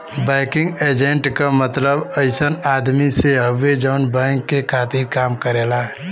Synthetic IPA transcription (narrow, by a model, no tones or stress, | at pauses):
bɛɪkɪ̃ŋɡed͡ʒeɳʈkamət̪ləbəɪsənaːd̪miseɦəʋːed͡ʒənbɛŋkːekʰaːt̪iɾkaːmkəɾela